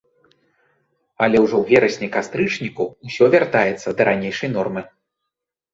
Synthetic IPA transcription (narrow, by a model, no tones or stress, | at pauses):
ɐlʲɛwʐɔwvʲɛɾɐsʲnʲɛkast̪ɾɨt͡ʂnʲikuːsʲɔvʲart̪ajɛt̪sːɐd̪ɐɾanʲejʂɐjnɔrmɨ